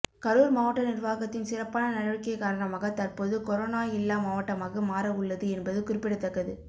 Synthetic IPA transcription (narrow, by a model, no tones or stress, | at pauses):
kɐɾuːɾmaːʋɐʈːɐnɪrʋaːɣɐt̪ːɪnsɪrɐpːaːnɐnɐɽɐʋɪkːɐɪkaːɾɐɳɐmaːɣɐt̪ɐrpoːðɯkɔɾoːnaːɪlːaːmaːʋɐʈːɐmaːɣɐmaːɾɐʊɭːɐðɯɛnbɐðɯkʊɾɪpːɪɽɐt̪ːɐkːɐðɯ